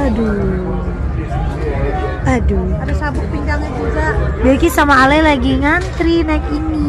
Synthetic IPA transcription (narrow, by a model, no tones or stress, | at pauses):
ado | adoaɾʊsabʊk̚piŋɡaŋɲad͡ʒuɡabekisamaːlajlaɡiŋant̪ɾinajkini